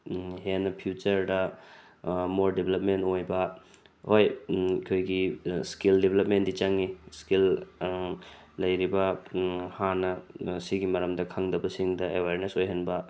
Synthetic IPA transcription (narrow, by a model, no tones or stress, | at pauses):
henːɐpʰjut͡ʃɐɾdɐ | moɾdebelɐp̚mentojbɐ | hojkʰojɡiskildebelɐp̚mendit͡ʃɐŋiskil | ɐjɾibɐhanɐsiɡimɐɾɐmdɐkʰaŋdɐbɐsiŋdɐewaɾnesojɦɐnbɐ